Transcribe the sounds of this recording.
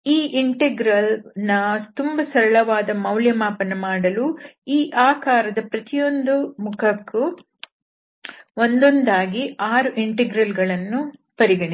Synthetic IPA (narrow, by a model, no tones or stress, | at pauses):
iːʔiɳʈeɡɾɐlnɐt̪umbɐsɐɾɐɭɐʋaːd̪ɐmɐwljɐmaːpɐnːɐmaːɽɐluiːʔaːkaːɾɐd̪ɐpɾɐt̪ijo̞nd̪umukʰɐkːu | ond̪ond̪aːɡiaːɾuʔiɳʈeɡɾɐlɡɐɭɐnːupɐɾiɡɐɳi